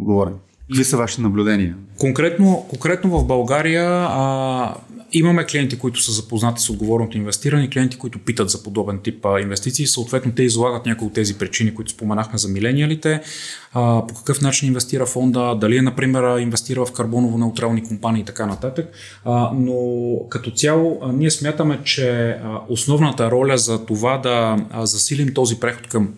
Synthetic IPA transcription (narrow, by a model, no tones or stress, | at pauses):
ɡovɔɾɛm | kvisəvaʃi̥t̪ɛnɐblʲʊd̪ɛniəkoŋkɾɛt̪nokoŋkɾɛt̪novɐvbɐlˠɡaɾijə | imɐmɛkliɛnt̪ikoit̪ʊ̥səzɐpoznat̪i̥sod̪ɡovɔɾnot̪oinvɛst̪iɾɐnɛiklijɛnt̪i̥koit̪ʊpit̪ət̪zɐpod̪ɔbɛnt̪ipinvɛst̪it̪siːsəot̪vɛt̪not̪ɛizlˠaɡət̪nʲakʊjot̪ːɛzipɾit͡ʃinikoit̪ʊ̥spomɛnaxmɛzɐmilɛniəlit̪ɛ | pokɐ̥kɤfnat͡ʃininvɛst̪iɾəfɔnd̪əd̪ɐliɛnɐpɾimɛɾinvɛst̪iɾəvɐfkɐɾbɔnovonɛʊt̪ɾalˠnikompaniːt̪ɐkanɐt̪at̪ək | nokɐt̪ɔt̪sʲalˠoniɛsmʲjat̪əmɛt͡ʃɛosnɔvnət̪əɾɔlʲəzɐt̪ovad̪ɐzɐsilimt̪ɔzipɾɛxo̥t̪kɐm